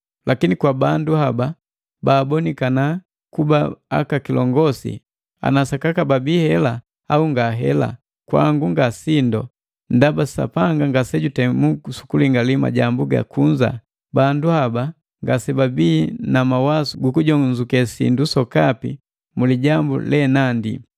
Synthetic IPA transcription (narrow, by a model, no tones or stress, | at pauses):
lakinikwabanduhaba | baːbɔnikana | kubaa̰kakilɔ̰ŋɡɔsḭ | a̰nasakakababiːhɛla | auŋɡaɦɛ̰la̰ | kwa̰ŋɡuŋɡasindɔ | ndabasa̰paŋɡaŋɡasɛɟutɛmusu̥kuliŋɡalima̰ɟambuɡa̰kuɲd͡ʒa̰ | banduhaba | ŋɡasɛbabiːnamawasuɡukuɟɔɲzukɛsḭndusɔkapḭ | muliɟambṵlɛnandi